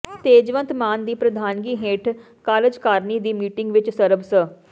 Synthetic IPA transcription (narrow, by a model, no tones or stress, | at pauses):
t̪eːd͡ʒʋənt̪maːnd̪iːpɾəd̪ʱaːnɡiːɦeːʈʰ | kaːləd͡ʒkaːɾniːd̪iːmiːʈɪŋɡʋɪt͡ʃsəɾəbsə